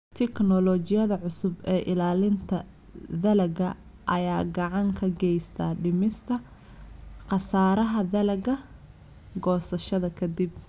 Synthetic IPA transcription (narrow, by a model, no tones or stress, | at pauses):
t̪ʰɪknɔlɔt͡ʃɪjɐðɐʕʊsʊbɛːʔɪlaːlɪnt̪ʰɐ | ðɐlɐɡɐ | ʔɐjaːɡɑʕɑŋkʰɐɡɛjst̪ʰa̰ːɖɪmɪst̪ʰɐ | qɑsaːɾɐɦɐðɐlɐɡɐ | ɡɔːsɐʃɐðɐkʰɐd̪ib̚